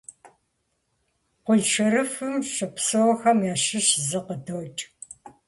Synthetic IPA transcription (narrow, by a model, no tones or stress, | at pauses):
qʷʊɮʃɨɾɨfɨmʃɨpsɐwxɐmjaːʃɪʃzɨqədowt͡ʃʼ